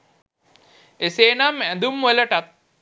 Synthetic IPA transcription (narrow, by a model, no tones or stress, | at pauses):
eseːnamæd̪umʋeləʈat̪̚